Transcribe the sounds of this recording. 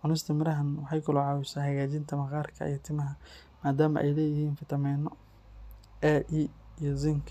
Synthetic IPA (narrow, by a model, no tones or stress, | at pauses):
ʕʊnɪst̪ʰɐmɪɾɐɦɐnwɑħɑjkʰʊlɔʕɑːwɪsaːhɐɣaːt͡ʃɪnt̪ʰɐmɐqɑːrkʰɐ̰ḭjt̪ʰɪmɐɦɐ | maːd̪aːmɐ̰ʔɛ̰jlɛːjɪhiːnfɪt̪ʰɐmɛːnɔ | ɛʔiijɔzɪŋkʰ